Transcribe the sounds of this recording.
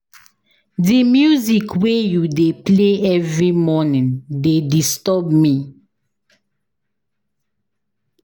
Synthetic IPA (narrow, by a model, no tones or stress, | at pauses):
dimjuzikʰwejudepleɛvɹimɔnĩndedistɔbmi